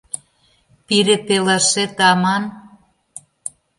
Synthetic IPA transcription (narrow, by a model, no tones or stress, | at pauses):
piɾepelɑʃet̪ɑmɑn